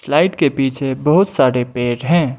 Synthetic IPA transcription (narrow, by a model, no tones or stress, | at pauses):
slaːɪʈkepiːt͡ʃʰebɐɦʊt̪saːɾepeːɾɦɛ̃ː